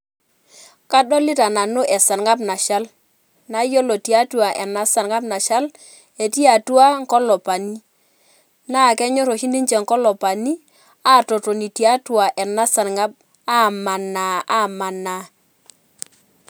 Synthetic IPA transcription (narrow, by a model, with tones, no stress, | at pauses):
ka˦ɗɔ˦lɪ˦ta˨na˨nʊ˦ʔɛ˨sa˨nŋa˦p̬na˨ʃa˦l | na˦jo˦lɔ˨ti˨a˦twa˨ʔɛ˨na˦sa˨nŋa˦p̚na˨ʃa˦l | e˨ti˦a˨twa˦ŋ˦kɔ˦lɔ˨pa˨ni˦ | na˦˨kɛ˦ɲɔ˦ɾo˨ʃi˦ndi˦nt͡ʃɛ˨ŋkɔ˦lɔ˨pa˨ni˦ | a˦˨tɔ˨tɔ˨ni˨ti˨a˦twa˨ʔɛ˨na˦sa˨nŋa˦p̚ | a˦˨ma˨na˨a˦˨ma˨na˨